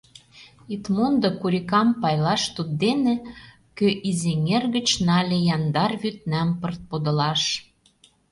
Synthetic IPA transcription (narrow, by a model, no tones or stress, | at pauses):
it̪mond̪okuɾʲikɑmpɑjlɑʃt̪ud̪̚d̪enĕ | køʔizeŋerɣə̆t͡ɕnɑlʲejɑnd̪ɑrβyt̪̚næmpərt̪̚pod̪ɤ̆lɑʃ